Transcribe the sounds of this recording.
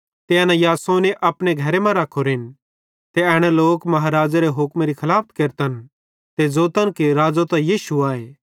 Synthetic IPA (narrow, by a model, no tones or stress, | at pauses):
t̪eɐnajaːsoneʔɐpɽ̃eɡʱɐɾemãɾakʰoɾɪn | t̪eɛːɽ̃eloːkmɐɦaɾaːd͡zaɾeɦʊkmɾikʰɐlaːpʰt̪keɾt̪ən | t̪ed͡zoːt̪ənkeɾaːd͡zot̪ɐjiːʃuaːeː